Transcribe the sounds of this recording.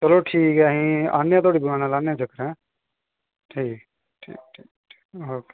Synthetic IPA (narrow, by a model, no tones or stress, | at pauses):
t͡ʃəloʈʰiːkɦɛɦĩa̰ːnjãt̪oːɽib̪ʊɾãːnalaːnjãd͡ʒʱəkəɾɛ̃ː | ʈʰiːk | ʈʰḭːk̚ʈʰiːkː | oːke